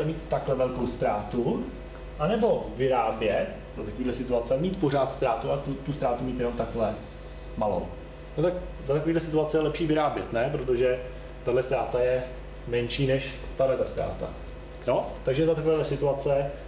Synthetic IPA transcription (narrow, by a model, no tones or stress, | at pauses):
ɛmiːt̪ːaklɛvɛlkowst̪ɾaːt̪u | ʔanɛbo̞vɪɾaːbjɛt̪ | zat̪akoviːdlɛsɪt̪uat͡sɛmiːt̪poɾaːt̪st̪ɾaːt̪uat̪ut̪ust̪ɾaːt̪umiːt̪jɛno̞mt̪aklɛ | malo̰w | not̪ak | zat̪akoviːdlɛsɪt̪uat͡sɛjɛlɛpʃiːvɪɾaːbjɛt̪nɛpɾot̪o̞ʒɛ | t̪adlɛst̪ɾaːt̪ajɛ | mɛnʃiːnɛʃt̪adlɛdlɛst̪ɾa̰ːt̪a̰ | not̪aɡʒɛt̪at̪akovaːdlɛsɪt̪uat͡sɛ